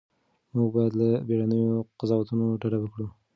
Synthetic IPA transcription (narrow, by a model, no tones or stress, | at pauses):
muɡbɑjad̪labeɽanəjoqazɑwat̪unoɖaɽawəkɽu